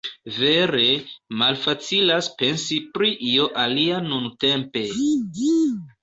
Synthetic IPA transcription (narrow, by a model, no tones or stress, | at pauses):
ve̞ɾe̞malfat͡silaspe̞nsipɾiʔio̞ʔalianunte̞mpe̞